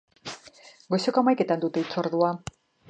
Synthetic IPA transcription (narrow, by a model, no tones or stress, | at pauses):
ɡosekoamajke̞t̪and̪ut̪e̞it͡so̞ɾðua